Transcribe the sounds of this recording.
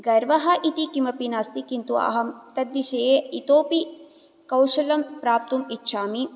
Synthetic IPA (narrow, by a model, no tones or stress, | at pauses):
ɡɐɾʋɐɦɐʔit̪ikimɐpinaːst̪ikint̪uɐ̰ɦɐmt̪ɐd̪ʋiʃɐːjeit̪oːpi | kɐwʃɐlɐmpɾaːp̚t̪umitːʃʰaːmi